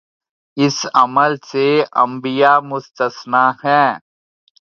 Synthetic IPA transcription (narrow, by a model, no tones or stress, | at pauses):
ɪsɐməlseɐ̰̃mbijaːmʊst̪əsnaːhɛ̃ː